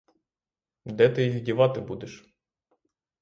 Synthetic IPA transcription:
d̪ɛt̪ɪɦʲidʲiʋɑt̪ɪbud̪ɛʃ

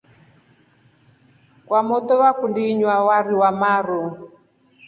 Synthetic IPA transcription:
kwamɔt̪ɔβakundiɲwawaɾiwamaɾɔ

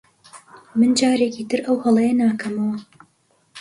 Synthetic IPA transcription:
mɨnd͡ʒaːɾeːkiːt̪ʰɨɾʔɐwhɐlˠɐjɐnaːkʰɐmɐwɐ

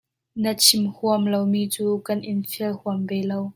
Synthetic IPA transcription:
nət͡sʰimhuəmlowmiːt͡suːkɐnʔɪnfiəlhuɐmbɛlow

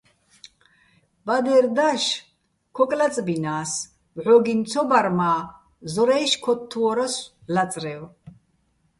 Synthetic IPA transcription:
bad̪ɛɾd̪aʃ | kʰɔkʼlat͡sʼbinaːs | vʕɔɡint͡sʰɔbaɾmaː | zɔɾɛjʃkʰɔt̪ʰːuɔɾas | lat͡sʼrɛw

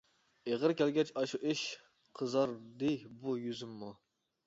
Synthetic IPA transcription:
eʁəɾkʲɛlɡʲɛt͡ʃʰʲɑʃuʔɪʃ | qʰəzɑɾd̪ɪjbujyzymːu

